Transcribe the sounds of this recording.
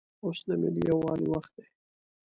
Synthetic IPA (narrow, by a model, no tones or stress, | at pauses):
osnamḛlijawɑliwaxt̪̚d̪e